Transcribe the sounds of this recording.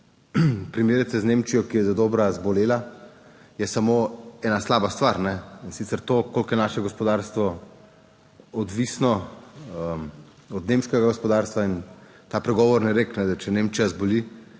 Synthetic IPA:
pɾimeːɾɛt̪sɛznemt͡ʃijɔkijɛzad̪oːbɾazbɔleːla | jɛsamoːɛːnaslaːbast̪ʋaɾnɛinsit̪sɛɾt̪oːkolkjɛnaːʃɛɡɔspɔd̪aɾst̪ʋɔ | ɔd̪ʋisnɔəm | ɔd̪nemʃkɛɡaɡospɔd̪aːɾst̪ʋain | t̪aːpɾɛɡɔːʋɔɾnɛɾeknɛd̪at͡ʃɛnemt͡ʃijazboli

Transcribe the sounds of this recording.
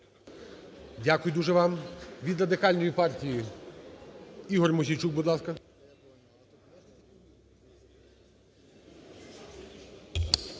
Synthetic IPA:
dʲakʊjʊd̪uʒɛʋɑmʋʲid̪rɐd̪ɪkɑlʲnɔjipɑrtʲiji | iɦɔrmɔzʲijt͡ʃuk̚bʊd̪lˠɑskɐ

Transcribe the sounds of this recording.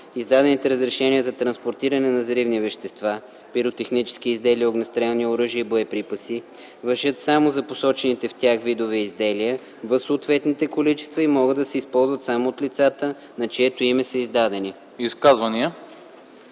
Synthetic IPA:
izd̪ad̪ɛnit̪ɛɾəzɾɛʃɛnijəzɐt̪ɾɐnspoɾt̪iɾɐnɛnɐzɐɾivnivɛʃt̪ɛst̪va | piɾot̪ɛxnit͡ʃɛ̥sk̟iizd̪ɛliəoɡnɐst̪ɾɛlˠniəoɾɤʒiəiboɛpɾipəsi | vɐɾʒət̪samozɐposɔt͡ʃɛnit̪ɛft̪ʲaxvid̪ovɛizd̪ɛlijə | vəfsoːt̪vɛt̪nit̪ɛkolit͡ʃɛ̥st̪vɐimɔɡəd̪d̪ɐsɛispɔlˠzvɐt̪samoːt̪lit̪sat̪ə | nɐt͡ʃɛt̪oimɛsɐizd̪ad̪ɛni | iskazvɐniə

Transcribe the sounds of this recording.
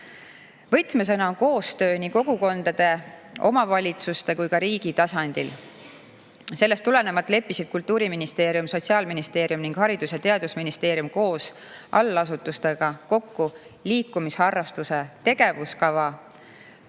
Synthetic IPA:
vɤjt̪mes̬enɑoko̞ːst̪ø̞ːniko̞ɡ̥uko̞nd̪̥ɑd̪̥e̞ | o̞̰mɑvɑlʲit̪sust̪e̞kujkɑɾiːɡ̥it̪ɑsɑnd̪̥il | se̞lːe̞st̪ːule̞ne̞mɑt̪ːˑle̞pːisid̪̥̚kult̪ːˑuːɾiminist̪e̞ːɾjumso̞t̪ʲsiɑːlminist̪e̞ːɾjumniŋɡ̥hɑɾid̪̥usjɑt̪e̞ɑd̪̥usminist̪e̞ːɾjumko̞ːs | ʔɑ̰lːɑs̬ut̪ːust̪e̞ɡ̥ɑko̞kːu | liːkːˑumishɑrːɑst̪use̞t̪e̞ɡ̥e̞vuskɑvɑ

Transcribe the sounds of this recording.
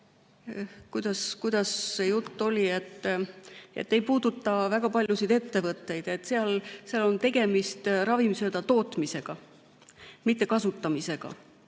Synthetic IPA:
kujd̪̥ɑskujd̪ɑsːe̞jut̪ːo̞lʲiet̪ːˑ | e̞̰t̪ːe̞jpuːd̪̥ut̪ˑːɑvæɡ̥ɑpɑlʲjusijd̪e̞t̪ːe̞vɤt̪ːˑe̞jd̪̥e̞t̪ːˑse̞ɑlseɑlo̞nt̪e̞ɡ̥e̞mist̪ɾɑvimsø̞ːd̪ɑt̪o̞ːt̪ˑmise̞ɡ̥ɑ | mit̪ːe̞kɑsut̪ːɑmise̞ɡ̥ɑ̰

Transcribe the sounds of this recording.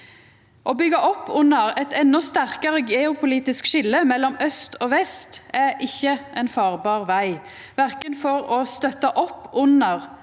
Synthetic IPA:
ʔoːbʏɡəʔɔpːʊnəʁɛt̪ɛnːɔst̪æʁkɑʁəɡeːʊpʰʊliːt̪ɪskʃɪlːəmɛlːɔmœst̪oːʋɛst̪æɪçːəʔɛnfɑːʁbɑːʁʋæɪ | ʋæʁkənfɔʁɔst̪œt̪ɑʔɔpːʊnəʁ

